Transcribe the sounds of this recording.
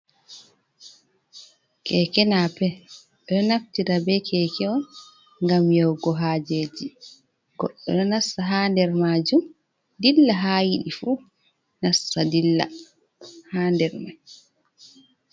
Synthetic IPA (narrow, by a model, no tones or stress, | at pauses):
kʰɛkɛnapɛ | ɓɛɔnaftiɾabɛkʰɛkɛɔn | ŋɡamjɔwɡɔɦaːd͡ʒed͡ʒi | ɡ̥ɔ̰ɗːɔɗɔnasːaɦaːndɛɾmaːd͡ʒum | dilːaɦaːjiɗifu | nasːadilːa̰ | haːndɛɾmaj